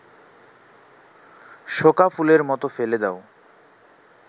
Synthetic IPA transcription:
ʃokafuleɾmɔt̪ofeled̪ɛo

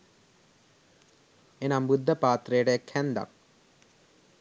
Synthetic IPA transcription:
enambud̪ʱːɐpaːt̪rɐjɽekʰend̪a̰

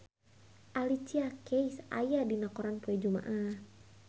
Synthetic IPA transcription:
ʔalit͡ʃiakejsa̰jadinakɔɾanpuɛd͡ʒuma̰ʔah

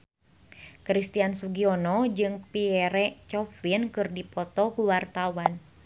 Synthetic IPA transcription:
kɾist̪iansuɡiɔnɔd͡ʒɨŋpiɛɾɛt͡ʃɔfinkɨrdipɔt̪ɔkuwart̪awan

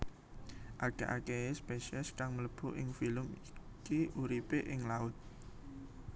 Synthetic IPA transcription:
ʔaɡ̥aʔakespeʃɛskaŋmələb̥uʔɪŋfiləmikiuɾipeʔɪŋlaʊt̪̚

